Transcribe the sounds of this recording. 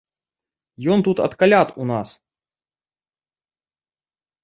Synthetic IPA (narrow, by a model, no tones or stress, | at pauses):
jont̪ut̪ɐ̰t̪kɐlʲat̪unas